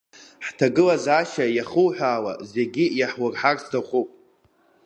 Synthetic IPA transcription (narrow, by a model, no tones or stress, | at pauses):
ħtʰaɡɨlazaʃajaχəwħʷaːwa̰zeɡʲijaħwarħarstʰaχʷupʼ